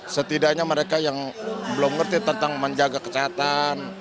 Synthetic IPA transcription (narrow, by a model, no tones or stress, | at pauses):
sət̪idaɲaməɾekajaŋbəlʊmŋərt̪it̪ənt̪aŋməɲd͡ʒaɡakə̥t͡ʃat̪an